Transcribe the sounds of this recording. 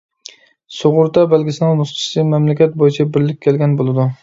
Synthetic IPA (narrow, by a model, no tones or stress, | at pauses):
soʁʊɾd̪abalɡʲɪsɪnalˠmʊst͡ʃʰɪ̥sɪmamlakʲat̪̚bojɪt͡ʃʰabɪɾlɪkʲʰːelɡʲanbolˠɪd̪ʊ